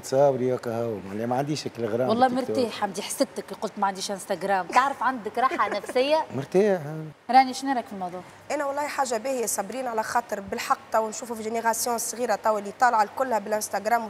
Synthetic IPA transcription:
t̪sˤɑːwɾijækahawmʕlimæʕand̪iːʃhækːɪlɣɾˤaːwɑlˤːɑːmɪɾt̪iːħamd̪iħsɪb̚t̪ɪkliqʊlt̪mæʕand̪iːʃʔɪnst̪aɡɾaːmt̪aʕɾɪfʕand̪ɪkɾˤɑːħanæfsɪjːamɪɾt̪iːħɾˤɑːniʃnaɾˤækfilmɑwðˤuːʕ | ʔænæwɑlˤːɑːhiħaːʒːabiːhɪjːæsˤɑbɾiːnʕalæxɑːt̪ˤəɾbɪlħɑq̚ːt̪ˤɑwnʃuːfufiʒeneɣɑsjɔ̃sˤɣiːɾat̪ˤɑwːalːit̪ˤɑːlɑʕalkʊlːhæbɪlʔɪnst̪æɡɾaːm

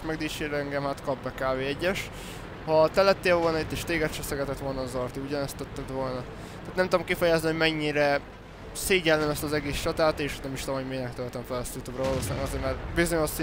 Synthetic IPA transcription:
kmɛɡd̪iːt͡ʃeːɾɛŋɡɛmhaːt̪kɒbbɛkaːveːɛɟːɛʃ | hɒt̪ɛlɛt̪ːeːlvo̞lnɒit̪ːeːʃt̪eːɡɛt̪t͡ʃɛsɛɡɛt̪ɛt̪ʋo̞lnɒːzɒrt̪iuɟɒnɛst̪ɛt̪ːɛd̪ʋo̞lnɒ | t̪aːt̪nɛmt̪ud̪omkifɛjaznihoɟmɛɲːiɾɛ | seːɟɛlnːɛmɛst̪ɒzɛɡeːst͡ʃɒt̪aːt̪eːʃnɛmiʃt̪oomɦoɟmeːnɛkt̪ølt̪ɛɱfɛlɛst̪jut̪jubrɒvɒloːsinaɡɒzeːɾmɛrbizoɲoʃs

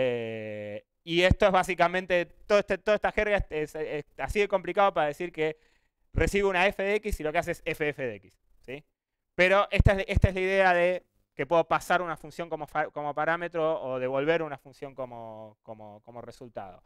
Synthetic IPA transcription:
e | ie̞st̪o̞ezβas̬ikamẽnt̪et̪oðet̪et̪oðet̪axeɾɣaeeseasiðeko̞mplikaðo̞paɾaðe̞siɾke | re̞siβeunaefeðeekisilo̞keaseesefeefeðekisːi | peɾo̞ʔe̞ht̪aeʔest̪aezlaiðe̞aðe | ke̞pwe̞ðopasaɾunafunsjo̞ŋko̞mofako̞mo̞paɾame̞t̪ɾo̞ːð̞e̞βo̞lβ̞e̞ɾunafunsjo̞ŋko̞mokomoko̞moresult̪a̰ðo̞̰

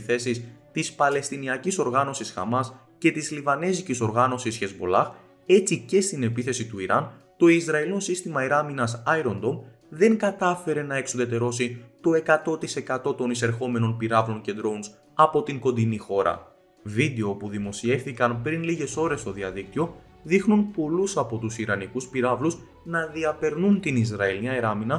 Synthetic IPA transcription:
θe̞sist̪ispɐle̞st̪iniɐciso̞ɾɣɐno̞sisxɐ̰mɐs | ce̞t̪izlivɐne̞ziciso̞ɾɣɐno̞sisçe̞zbo̞̰lɐx | e̞t͡sice̞st̪ine̞piθe̞sit̪uiɾɐn | t̪o̞izɾɐilino̞sist̪imɐiɾɐminɐsɐjɾo̞nd̪o̞m | ðe̞ŋɡɐt̪ɐfe̞ɾe̞nɐe̞ksoðe̞t̪e̞ɾo̞sit̪o̞e̞kɐt̪o̞t̪ise̞kɐt̪o̞t̪o̞nise̞ɾxo̞me̞no̞npiɾɐvlo̞nce̞d̪ɾo̞ns | ɐpo̞t̪iŋɡo̞nd̪inixo̞ɾɐ̰ | vid̪e̞o̞puðimo̞sie̞fθikɐnpɾinliʝe̞so̞ɾe̞st̪o̞ðiɐðik̚t̪io̞ | ðixnunpo̞lusɐpo̞t̪usiɾɐnikuspiɾɐvlus | nɐðiɐpe̞ɾnunt̪inizɾɐeliɐeɾɐminɐ

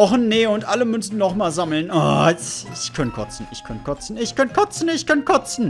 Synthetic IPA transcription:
ɔχn̩neːʊntʔaləmʏnsn̩nɔχmaːlzaml̩nɔ̰ːɪçkʰœntkʰɔt͡sn̩ɪçkʰœnkʰɔt͡sn̩ɪçkʰœnkʰɔt͡sn̩ɪçkʰœnkʰɔt͡sn̩

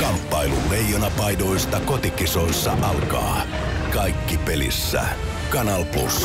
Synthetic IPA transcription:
kɑmpːɑilṵllejːonɑpɑjdoist̪ɑkot̪ikiso̞isːɑʔɑlkɑ̰ː | kɑjkːipelḭsːæ̰ | kɑnɑlplṵs

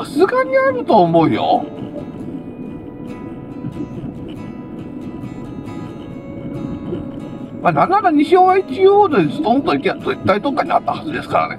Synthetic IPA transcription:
asɨɡaɲ̟iaɾɯ̟t̪o̞ːmo̞ɯ̟jo̰ | manananaɲ̟iɕoːβait͡ɕijoːd̪oizɨt̪ːomot̪ːoikʲat̪ːoit̪ːait̪okːaɲ̟ia̰t̪ːahazɨd̪e̞sɨ̥ka̰ɾa̰nḛ

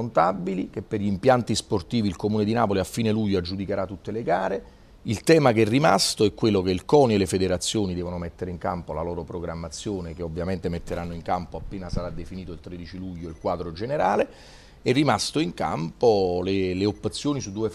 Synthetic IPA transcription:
ont̪abːilik̟epːerʎimpjant̪isport̪iːvilkomuːned̪inaːpoliafːiːneluʎːoad͡ʒud̪ikeɾat̪ːut̪ːeleɡaːɾe | ilt̪ɛːmakɛrːima̰st̪oɛkːwelːokeilkɔːnelefed̪eɾat̪sːjoːnid̪ɛːvonomɛt̪ːeɾeiŋka̰mpolalɔːɾopɾoɡɾamːat̪sːjoːnekeobvːjament̪emet̪ːeɾanːoiŋkampoapːeːnasaɾad̪ːefiniːt̪oilt̪ɾed̪it͡ʃiluʎːoilkwaːd̪ɾod͡ʒeneɾaːle | ɛrːimast̪oiŋka̰mpoleleopːet̪sːjoːnisud̪ːuːe

